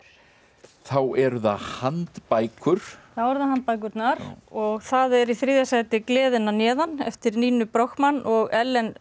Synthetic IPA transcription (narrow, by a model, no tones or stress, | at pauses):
θawɛɾða̰hant̪pajkʰʏɾ̥θawɛɾðaɦant̪̚pajk̬ʏɾt̪naɾɔɣθaðɛɾiθɾiːðjasajt̪ɪklɛːðɪnanɛːðanɛ̰ft̪ɪɾniːnʏpɾowxkmanʔɔɣɛlːɛn